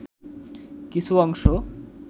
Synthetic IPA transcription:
kisʰuɔŋʃo

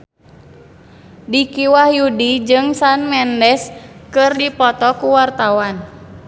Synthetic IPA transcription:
dikiwahjudid͡ʒɨŋsanmɛndɛskɨrdipɔt̪ɔkuwart̪awan

